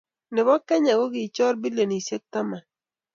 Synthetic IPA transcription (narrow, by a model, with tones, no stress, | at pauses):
nɪ˨bɔ˦kɛ˦ɲa˨ɡɔ˦ɡɪ˨t͡ʃɔ˦ɾbi˦le˨ni˨sje˦k̚t̪a˦ma˨